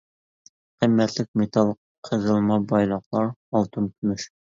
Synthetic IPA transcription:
qəmːɛt̪lɪk̚ʲmet̪ʰɑlˠ | qʰəzəlˠmɑbɑjlˠɑqlˠɑɾɑlˠt̪ʰɨnt̪ʰymyʃ

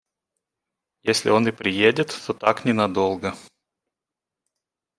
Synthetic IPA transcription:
jesʲlʲɪ̰o̞nɨpɾʲɪjedʲɪt̪ːot̪aknʲɪnɐd̪olˠɡə

